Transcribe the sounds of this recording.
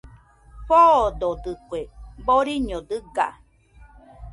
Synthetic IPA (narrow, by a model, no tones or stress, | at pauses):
ɸod̪od̪ɨkweboɾiɲod̪ɨɡa̰